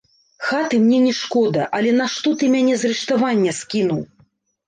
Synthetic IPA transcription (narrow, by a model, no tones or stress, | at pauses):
xat̪ɨmnʲɛnʲɛʂkɔd̪ɐʔɐlʲɛnaʂt̪ɔt̪ɨmʲanʲɛzɾɨʂt̪avanʲːɐskʲinuw